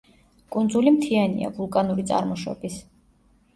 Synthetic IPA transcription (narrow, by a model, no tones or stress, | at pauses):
kʼund̪zulimt̪ʰianḭa̰vulˠkʼanuɾit̪sʼa̰ɾmɔʃɔ̰bis